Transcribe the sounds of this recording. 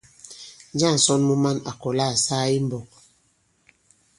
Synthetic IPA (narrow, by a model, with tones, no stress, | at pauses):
n˦d͡ʒa˦˨n̩˨sɔ˦nmu˦ma˦na˨kɔ˨la˦˨saː˦i˦m˦bɔ˨k̚